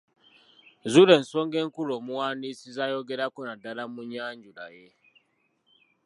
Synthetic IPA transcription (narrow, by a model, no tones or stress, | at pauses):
zuɾe̞ːnso̞ːŋɡe̞ːŋkulo̞ːmuwaːnisizajo̞ɡeɾakonadalamuɲaːɲɟula̰je